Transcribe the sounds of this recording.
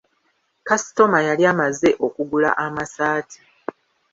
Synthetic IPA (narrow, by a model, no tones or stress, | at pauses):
kasi̥to̞majaliaːmaze̞ʔo̞kuɡula̰ʔamasaːtʰi̥